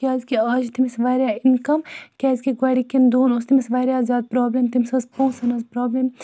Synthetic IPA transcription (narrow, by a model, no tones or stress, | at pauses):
kʲaːzkiɐːd͡ʒt̪imisʋaːɾʲjaːinkɐmkʲaːzkiɡwaːɽikind̪uːnost̪imisʋaːɾjaːzʲaːd̪̚pɾoːblemt̪imsɐzpoːsɐnɐzpɾoːblem